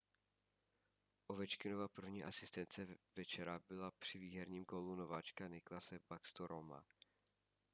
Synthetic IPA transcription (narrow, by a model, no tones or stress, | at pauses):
ʔovɛt͡ʃkɪnovapr̩vɲiːʔasɪst̪ɛnt͡sɛvɛt͡ʃɛɾabɪlapr̝̥ɪviːɦɛɾɲiːmkolunovaːt͡ʃkanɪklasɛbakst̪oɾʔoma̰